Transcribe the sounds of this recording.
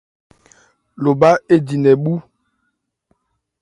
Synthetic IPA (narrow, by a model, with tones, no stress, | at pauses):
lo˨ba˦e˦di˨nɛ˨ɓu˦